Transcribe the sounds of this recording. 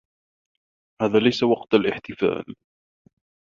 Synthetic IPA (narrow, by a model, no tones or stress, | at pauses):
haːðaːlajsawɑqt̪alʔɪħt̪ɪfa̰ːl